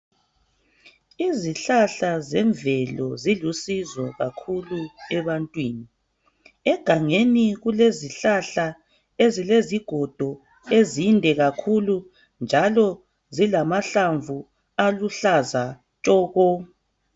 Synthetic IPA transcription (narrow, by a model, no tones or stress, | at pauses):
iziɬaɬazɛɱvɛlɔzilusizɔɣakʰuluɛβantʼwiːni | ɛɡ̥ʱaŋeniɣuleziɬaɬa | ezileziɡ̥ʱɔd̥ʱɔ | ezindʱɛɣakʰulu | nd͡ʒʱalɔ | zilamaɬaɱvu | aluɬaza | t͡ʃʼɔːɣɔ